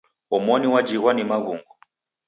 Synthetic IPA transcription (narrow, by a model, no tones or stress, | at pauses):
ɔmɔniwad͡ʒiɣwanimaɣuŋɡɔ